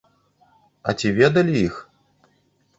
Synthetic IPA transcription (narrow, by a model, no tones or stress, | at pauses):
ɐ̰t͡sʲivʲɛd̪ɐlʲijix